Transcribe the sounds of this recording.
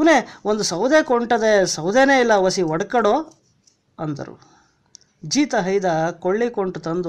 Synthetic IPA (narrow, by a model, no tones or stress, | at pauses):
neond̪usɐwd̪eːkoɳʈɐd̪esɐwd̪eːneːilːɐʋɐsiʋɔɽkɐɽoː | ɐnd̪ɐ̰ɾṵ | d͡ʒiːt̪ɐɦɐjd̪ɐkoɭːikoɳʈut̪ɐnd̪u